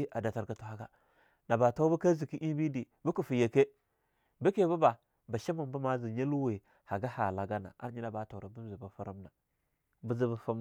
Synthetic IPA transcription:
ʔa˨da˨ta˨ɾka˨tu˨ha˦ɡa˦ | na˨ba˨ta˦bu˦ka˦zi˨ki˦ʔi˦bi˦di˨ | bu˦ku˨fi˨je˨ke˦ | bi˦ke˦˨˦bu˦ba˨ | ba˨ʃa˦mu˨mbu˦ma˦zi˨ɲa˦lu˦we˨ | ha˨ɡa˦ha˨la˨ɡa˦na̰˨a̰˦ɾɲi˦na˦ba˨˦ta˨ɾa˨bu˦zi˨ba˨fa˦ɾa˦mna˨ | bu˦zi˦ba˨˦fa˦m

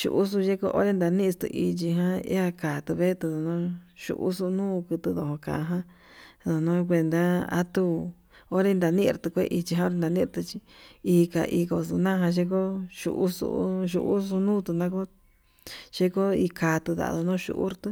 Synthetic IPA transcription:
ʃṵ˧ʔu˦s̬u˧ʒe˦ko˦ʔo̰˦ɾe˦nd̪a˧nĩ˦˧st̪ṵ˧ʔi˧t͡ʃi˧ɦã˦ḭ˦a˧kaː˨t̪u˧βe˦t̪u˧ðo˧nõː˦ʃṵ˧ʔṵ˦su˧nũː˦˧kɨ˧t̪u˧ðo˧˨õ˧kã̰˨˧ɦã˦ | ðo˨nõ˦˧k̬ʷe˧nd̪a˦a̰˦t̪u˧ | o˦ɾe˦nd̪a˨˧nĩ˦˧ɾt̪u˧kʷḛ˦ʔi˧t͡ʃi˧ɦã˧˦o˦ɾe˧nd̪a˧nĩ˦˧ɾt̪ɨ˧t͡ʃi˧i˧ka̰˧˨ʔi˧ko˧su˧nã˦˧ã˧ʃ̬e˦ko˦ʃṵ˧ʔu˦sṵ˧˦ʃṵ˧ʔu˦su˧nũː˦t̪u˧nã˦ko˦ | ʃe˦ko˦i˧ka˨t̪u˧ða̰˨˧ðo˧nõː˦˧ʃṵ˧ʔṵ˦ɾt̪ɨ˦

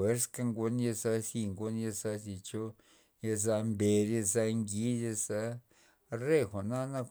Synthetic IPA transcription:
e˦ɾska˧ŋɡu˧nja˧za˧si˧ŋɡo˧˦nja˧za˧zi˧t͡ʃo˦ | ja˧za˧mbe˧ɾa˧za˧ŋɡi˦ɾja˧za˧ | re˦˨xʷa˨na˦na˦˧

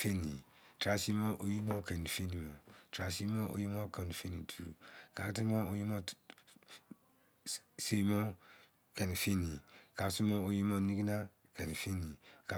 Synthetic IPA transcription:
fe˦ni˨tɾa˨si˦mɔ˦ʔo˨ji˦mɔ˦kɛ˨ni˨fe˦ni˨mɔ˨tɾa˨si˦mɔ˦ʔo̰˦ji˦mɔ˦ka˨n˨fe˦ni˨tʰu˨ka˨kti˦mɔ˦o˦ji˦mɔ˦ | se˨˦mɔ˦ | kɛ˨ni˨fe˦ni˨ka˨kti˦mɔ˦o˨ji˦mɔ˦ni˦ɡi˦na˦ | kɛ˨ni˨fe˦ni˨ka˨

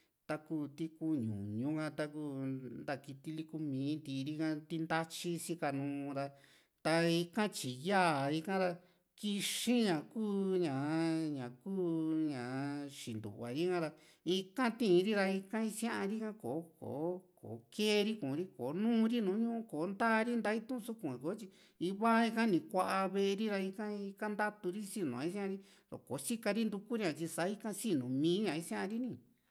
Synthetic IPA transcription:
t̪a˧ku˦˧˨t̪i˧ku˧ɲṵ̃˨ɲũ˧˦kã˧t̪a˧ku˦˧nd̪a˧ki˧t̪i˧li˦ku˧mĩː˨˦nd̪i˧ɾi˦kã˧t̪i˧nd̪a˦t͡ʃi˦sĩ˦˧ka˧nũː˧˦˧ɾa˧ | t̪a˧i˧kã˦t͡ʃi˨ja˦˨i˧kã˦ɾa˧ | ki˧ʃĩ˦ɲã˨kuː˦ɲã˨ɲã˨kuː˦ɲã˨ʃi˨nd̪ṵ˨βa˨ɾi˦kã˦ɾa˧ | i˧kã˦t̪ĩ˦˧ɾi˦ɾa˧i˧kã˦i˧sã˦ʔa˧ɾi˦kã˦ko˨˦ko̰ː˨˦ko̰˨˦keː˦˧ɾi˦kũ˨˧ɾi˦ko˨˦nũː˦˧ɾi˦nũː˨˦ɲũ˦ʔũ˦ko˨˦nd̪aː˦˧ɾi˦nd̪a˧˦i˦t̪ũ˦˧su˦kũ˧˨ko˨˦t͡ʃi˧ | i˧˦βa˦i˧kã˦nĩ˨kʷa˧ʔa˧βe˦˧ɾi˦ɾa˧i˧kã˦i˧ka˦nd̪a˦t̪u˧ɾi˦si˦nṵ̃˨a˨˦i˦s̬ã˦ã˧ɾi˦ | o̰˨ko̰˨˦t͡ʃi˦ka˧ɾi˦nd̪u˧ku˦ɾi˦ɲã˧t͡ʃi˧sa˨˦i˦kã˦si˦nũ˨mĩː˨˦ɲã˨i˦sã˦ʔã˧ɾi˦nĩ˧˨

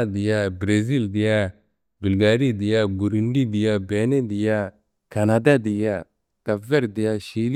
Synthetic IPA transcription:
d̪i˨ja˦bɾe˨zi˦ld̪i˨ja˦ | bu˨lɡaː˨ɾi˦d̪i˨ja˦bu˨ɾunɖi˦d̪i˨ja˦be˨˦ne˦d̪i˨ja˦ | kanad̪a˦d̪i˨ja˦ | t̪a˨ve˦ɾd̪i˨ja˦ʃi˦l

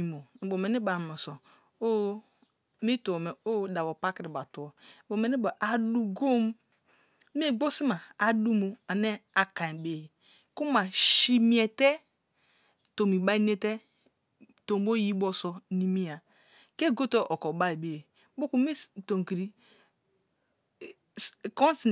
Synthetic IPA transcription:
i˨mo˨bo˨me˨ne˦ba˨mo˨so˨ | o˦ | mi˦tu˨me˨o˦da˨bo˨pa˦ki˨ɾi˨ba˨tu˨o˨bo˨me˨ne˦ba˨ʔa˨du˦ɡo˦m˦ | m˦e˦˨ɡ͡bo˦si˦ma˨a˨du˦mo˨a˨ne˦a˨ka˨be˨e˨ | ku˦ma˨ʃi˦mi˦e˨te˦ | to˨mi˨ba˦i˦n˦e˦te˦ | to˨m˦bo˦ji˦bo˦so˨ni˦mi˦ja˨ | ke˦ɡo˦to˦ʔo˨ko˨ba˦e˨be˨ | bo˦ku˦mi˦to˨ŋ˨ki˨ɾi˦˨ | ko˦n˦si˨n

